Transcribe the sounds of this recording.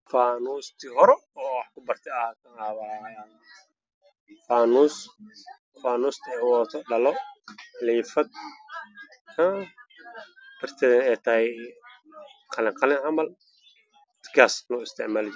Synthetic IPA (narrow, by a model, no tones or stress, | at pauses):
faːnuːst̪ʰɪɦɔɾɛɔːwɑħkʰʊbɐrt̪ʰɛɐk̪ʰɐaβa | faːnuːs | faːnuːst̪ʰɛʕwɔːt̪ʰɔɖɐlɔħliːfɐd̪̚ | haː | b̥ɐrt̪ʰɛːðɐnɛːt̪ʰɐhɛ | qʰɑlɪŋqɑlɪnʕɐmbɐl | t̪kʰasnɔːɪst̪ʰɪʕmaːld͡ʒ